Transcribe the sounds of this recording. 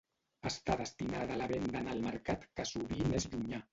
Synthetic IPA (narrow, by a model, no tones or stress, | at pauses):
ast̪aðəst̪inaðaːlaβend̪analməɾkat̪kasuβind̪ezʎuɲa